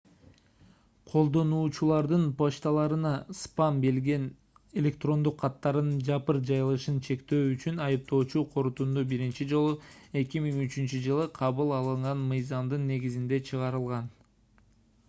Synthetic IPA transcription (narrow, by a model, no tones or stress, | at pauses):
qʰo̞lˠd̪o̞nuːt͡ʃulˠɑɾd̪ɯnpoʃt̪ɑlˠɑɾɯnɑspɑmbe̞lɡe̞n | e̞lʲe̞k̚t̪ro̞nd̪uqʰːɑt̪ːɑɾɯnd͡ʒɑpɯɾd͡ʒɑjɯlˠɯʃɯnt͡ʃʰe̞kt̪ø̞ːyt͡ʃynɑjɯp̚t̪o̞ːt͡ʃuqʰo̞ɾut̪und̪ubiɾint͡ʃid͡ʒo̞lˠue̞kimiŋyt͡ʃynt͡ʃyd͡ʒɯlˠɯqʰɑβɯlˠɑlˠɯɴʁɑnmɯjzɑmd̪ɯnːe̞ɡizind̪e̞t͡ʃʰɯʁɑɾɯlˠʁɑn